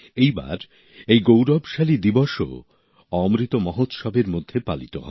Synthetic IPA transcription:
ejba̰ɾ | ejɡowɾɔbʃalid̪ibɔʃo̰ | ɔmɾit̪omɔɦot̪ʃɔbʱeɾmod̪ʱːepalit̪oɦɔ̰e

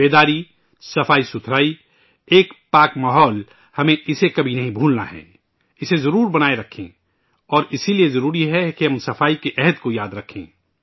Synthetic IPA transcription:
beːd̪aːɾi | sɐfaːisʊt̪ʰɾaːi | eːkpaːkmaːɦɔːl | hɐmẽɪsekɐbʱinɐɦĩbʱuːlna̰ɦɛ̰ː | ɪsezɐɾuːɾbɐnaːeɾɐkʰḛ̃ | ɔːɾɪsiliezɐɾuːɾiɦɛkiɦɐmsɐfaːikeʔɛɦəd̪kojaːd̪ɾɐkʰḛ̃ː

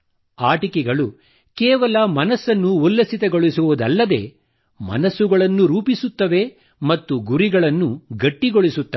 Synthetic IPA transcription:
aːʈikɛɡɐɭu | keːʋɐlɐmɐnɐsːɐnːuulːɐsit̪ɐɡoɭisuʋud̪ɐ̰lːɐd̪e̞̰ː | mɐ̰nɐsuɡɐɭɐnːuɾuːpisut̪ːɐʋe̞ | mɐt̪ːuɡuɾiɡɐɭɐnːuɡɐʈːiɡoɭisut̪ːɐe

